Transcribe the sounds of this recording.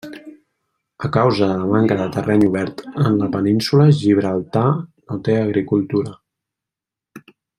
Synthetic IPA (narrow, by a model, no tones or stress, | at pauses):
əkawzəðələmaŋkəðət̪ərɛɲuβɛɾt̪ənləpəninsuləʒiβ̞ɾəlˠt̪anot̪eəɣɾikulˠt̪uɾə